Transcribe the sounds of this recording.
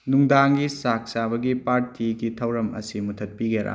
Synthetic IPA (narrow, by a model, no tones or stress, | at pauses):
nuŋdaŋɡisak̚sabɐɡipaɾtʰiɡitʰɐwɾɐmɐ̰simutʰɐt̚piɡeɾa̰